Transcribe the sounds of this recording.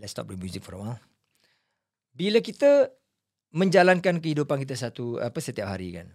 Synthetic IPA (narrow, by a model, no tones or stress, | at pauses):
lɛtst̪ɔ̰p̚dumjuzɪk̚fɔɾwal | biləkit̪ə | mə̃ɲd͡ʒalankankəhidupankit̪əsat̪ua̰pəsət̪iap̚ɦaɾḭka̰n